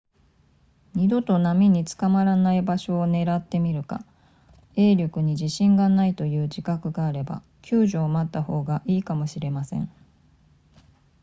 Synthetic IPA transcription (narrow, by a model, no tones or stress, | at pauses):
ɲid̪o̞t̪o̞namʲiɲ̟it͡sɨ̥kamaɾanaibaɕo̞ːne̞ɾat̪ːe̞mʲiɾɯ̟ka̰ | e̞ːɾʲjo̞kɯ̟ɲ̟iʑiɕĩŋɡanait̪o̞jɯ̟ːd͡ʑikakɯ̟ɡaːɾe̞ba̰ | kʲʰɨːʑo̞ːmat̪ːaho̞ːɡaʔiːkamo̞ɕiɾe̞masẽ̞̰ɴ